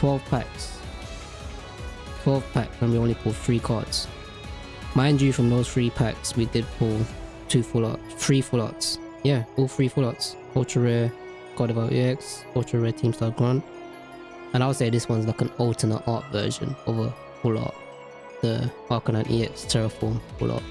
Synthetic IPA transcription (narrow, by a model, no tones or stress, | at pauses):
tʰwɛlˠv̥pʰa̰ks | tʰw̥ɛlˠv̥pʰaksə̃nwiõʊ̃nlipʰʊlˠθɹiːkʰɔ̰ds | mãɪ̃nd͡ʒɨfɹə̃mðoʊz̥θɹiːpʰa̰kswidɪd̚pʰʊlˠ | tʰʉːfʊlɔ̰tsθɹiːfʊlɔ̰ts | jæɔːlˠθɹiːfʊltsʰ | ɔʊt͡ʃəɹɛ | kʰɔɾəvaʊʔḭɛks | ɔt͡ʃəɹɛtʰĩmstaɪɡɹãnt | ə̃naɪwəseɪðɪswʌ̃nzlaɪkə̃nɔlˠtʰənəʔɑˑtvɜ̰ːˑʒə̰̃novə | fʊlɔ̰t̚ | ðə | ɑˑkə̃nãnʔḭɛkstʰɛɹəfɔ̃ːnfʊ̰lʔɔ̰ʔ̚